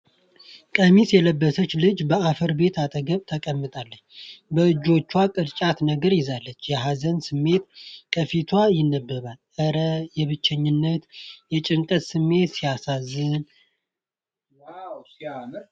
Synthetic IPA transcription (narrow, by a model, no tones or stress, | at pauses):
kʼəmisjɛləbːəsət͡ʃːlɨd͡ʒbəafəɾbe̞t̪ʰat̪ʼəɡəβt̪ʰəkʼəmːɨt̪ʼalːət͡ʃːbəɨd͡ʒo̞t͡ʃːwakʼɨɾt͡ʃʼat̪nəɡəɾjɪzalːət͡ʃːjɛɦazənsɨmːe̞t̪kʼəfit̪ʰwajɪnːəbːɨβalʔəɾəjɛβɨt͡ʃːɛɲːɪnːət̪jɛt͡ʃʼɪŋkʼəssɨmːe̞t̪sijasazɨn